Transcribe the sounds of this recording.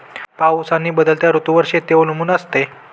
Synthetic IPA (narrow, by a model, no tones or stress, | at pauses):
pausanːiːbəd̪əlt̪jaɾut̪uʋəɾʂet̪eʋolumuːnəst̪e